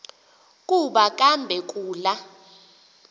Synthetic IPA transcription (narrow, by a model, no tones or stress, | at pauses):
kʼuɓak̬ʼambʱɛk̬ʼuːla